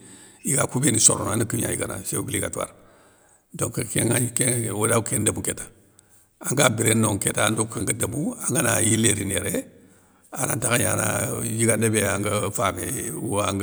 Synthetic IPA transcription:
jiɡakubeniso̰ɾonanakiɲa̰jḭɡana̰sebiliɡa̰tua̰ɾ | doŋkkeŋaikewolakendamuketḁ | aŋɡabiɾenoŋketadokaŋɡadamuaŋɡanajileɾineɾe | ana̰ntakaɲana̰jiɡandebeaŋɡafamḛaŋɡ

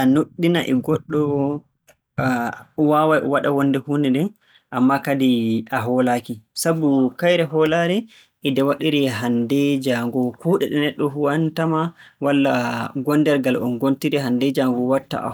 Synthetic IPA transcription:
ʔanuɗːinaʔɛɡɔɗːɔ | wawajʔɔ̰waɗawɔndɛhunɛnɛ | ʔamːakadiʔaɦɔlakisabukajɾɛɦɔlaɾɛ | ʔɛdɛwaɗiɾɛɦandɛd͡ʒaŋɡɔkuːɗɛɗɛnɛɗːɔhuwantamawalːaɡɔndɛɾɡalɔ̰nɡontiɾɛɦandɛd͡ʒaŋɡɔwatːa̰a̰

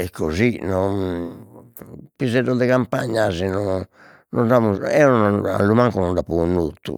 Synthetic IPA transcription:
ɛkʰːozinɔn | pizɛɾɔd̪ɛkampaɲːazɛnɔ | nɔndamuɛɔnɔna̰lːumaŋkunɔnɖapunːut̪ːṵ

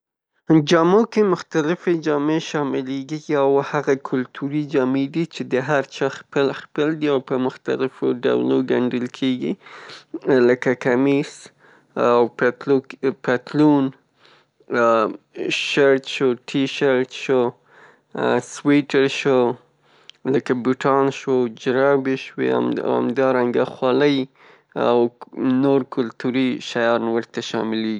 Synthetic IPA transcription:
d͡ʒɑmokemʊxt̪alɪfed͡ʒɑmeʃɑmɪleɡiɡiawhaɣakʰʊlt̪ʰuɾid͡ʒɑmed̪it͡ʃed̪əɦaɾt͡ʃɑxpəlxpəld̪iawpəmʊxt̪a̰lɪfoɖa̰wloɡaɳɖəlkʰeɡḭ | ləkakamis | awptlopat̪lun | ʃaɾt̪ʃoʈʰiʃaɾt̪ʃo | swiʈaɾʃo | ləkabuʈɑnʃwod͡ʒɾɑbeʃwḛa̰a̰md̪ɑɾaŋɡaxwɑləj | a̰wnoɾkʊlt̪uɾiʃajɑɾnwəɾt̪aʃɑ̰mɪleɡi

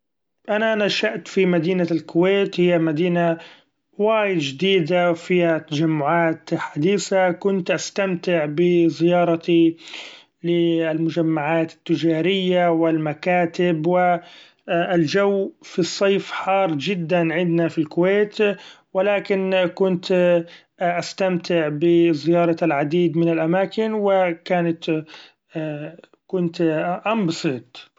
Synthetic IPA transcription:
ʔanaʔanaʃaʔt̪fimad̪iːnalkʊweːt̪hɪjːamad̪iːna | waːjɪd̪d͡ʒɪd̪iːd̪afihat̪ːad͡ʒamːʊʕaːt̪ħad̪iːsakʊnt̪ʔast̪amt̪ɪʕbɪzɪjɑːɾˤɑt̪i | lɪalmʊd͡ʒamːaʕaːt̪ɪ̥t̪ːɪd͡ʒaːɾɪjːawɪlmakaːt̪ɪbwɪ | ld͡ʒawːfisˤːɑːfħɑːɾˤd͡ʒɪd̪ːanʕɪnd̪nafilkʊweːt̪ | wɪlaːkɪnkʊnt̪ | ʔast̪amt̪ɪʕbɪzɪjɑːɾˤɑalʕad̪iːd̪mɪnɪlʔamaːkɪnwɪkaːnat̪ː | kʊnt̪ʔambsˤɨːt̪ˤ

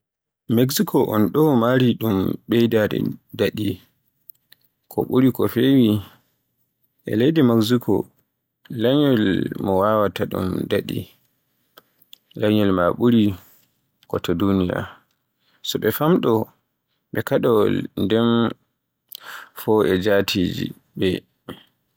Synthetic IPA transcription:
meksikʰɔʔɔnɗɔmaɾiɗumɓɛjdadɛ̰daɗi | kʰɔ̰ɓuɾikɔfewi | ʔɛ̰lejdɛmaksikʰɔ̰ | laɲɔlmɔwawataɗṵmdaɗḭ | laɲɔlmaɓuɾi | kɔtɔdunija̰ | sɔɓɛfamɗɔ | ɓɛkaɗɔwɔlndɛn | fɔʔɛd͡ʒatʰiːd͡ʒḭ | bɛ

